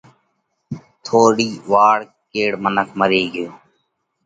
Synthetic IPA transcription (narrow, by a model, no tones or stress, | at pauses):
t̪ʰoːɽiːʋaːɽ | keːɽmənəkʰməɾeːɡjoː